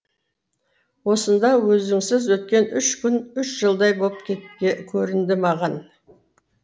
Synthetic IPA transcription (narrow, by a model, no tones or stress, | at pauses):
wo̞sənd̪ɑwɵzɪŋsɪzwɵt̪̚kʲe̞nʏʃkʲʏnʏʃʒ̥əlˠd̪ɑjbo̞lˠəp̚kʲʰet̪kʲʰɵɾɪnd̪ɪmɑʁɑn